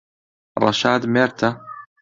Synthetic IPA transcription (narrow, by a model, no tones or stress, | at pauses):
ɾˤɑ̰ʃaːd̪mɛɾt̪ʰa